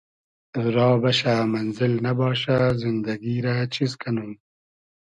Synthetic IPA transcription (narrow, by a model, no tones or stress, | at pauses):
ɾɑːbɐɕaːmɐnzɪlnɐbɑːɕazind̪ɐɡiːɾat͡ɕʰizkʰɐnum